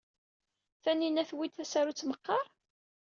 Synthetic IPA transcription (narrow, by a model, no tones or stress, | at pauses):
θæninæθwit̪θæsæɾut͡sːməqːɑɾˤ